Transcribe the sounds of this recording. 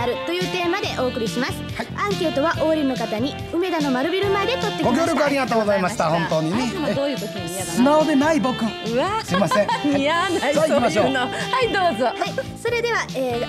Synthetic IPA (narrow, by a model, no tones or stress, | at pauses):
aɾɯ̟t̪o̞jɯ̟ːt̪e̞ːmad̪e̞ʔo̞ːkɯ̟ɾʲiɕimasɨ̥haãŋke̞ːt̪o̞βaʔo̞ɾʲino̞kat̪aɲ̟i | ɯ̟me̞d̪ano̞maɾɯ̟bʲiɾɯ̟maed̪e̞k̪o̞t̪ːekɡoiɡʲoːɾokɯaɾʲiɡat̪oːɡozaimaɕi̥t̪ahõ̞nt̪o̞ːɲined̪oːjɯk̪ot̪oiasɨnaod̪e̞naibo̞kɯ̟ɯasɨɾimasẽanimaɕohaid̪oːzohaiso̞ɾe̞d̪e̞βaeː